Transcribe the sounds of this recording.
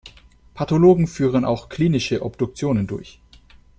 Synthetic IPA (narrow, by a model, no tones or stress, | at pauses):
pʰatoloːɡŋ̩fyːʁ̞əna̰ʊxkʰl̥iːnɪʃəʔɔbd̥ʊk̚t͡sjoːnəndʊɐç